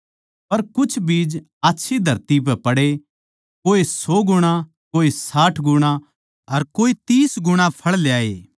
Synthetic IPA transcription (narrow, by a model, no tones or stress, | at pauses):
pɐɾkʊt͡ʃʰbiːd͡ʒ | aːtːʃʰid̪ʱɐɾt̪ipɛpɐɽe | koːisɔːɡʊɽ̃ã | koːisaːʈʰɡʊɽ̃ã | ɐɾkoːit̪iːsɡʊɽ̃ãpʰɐɭlejaːḛː